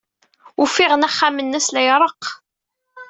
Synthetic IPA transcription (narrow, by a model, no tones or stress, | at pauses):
ʊfiʁənæχːamənːæslæjɾˤəq